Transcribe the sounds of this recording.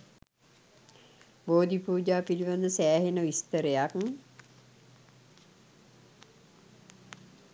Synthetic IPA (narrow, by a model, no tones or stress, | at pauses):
boːd̪ipuːd͡ʒaːpiliʋand̪əsæːɦenəʋist̪əɾəjak